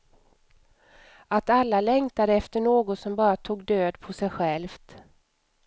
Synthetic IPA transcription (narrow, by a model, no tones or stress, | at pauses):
at̪alːalɛŋt̪ad̪əɛft̪əɳoːɡɔt̪sɔmbɑːɾat̪ʰuːɡd̪øːd̪pʰɔsɛjɧɛlft̪